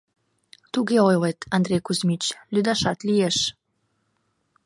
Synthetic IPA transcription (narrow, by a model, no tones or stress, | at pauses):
t̪uɡeojlet̪ʰɑnd̪ɾejkuzmit͡ɕlyd̪ɑʃɑt̪lijeʃ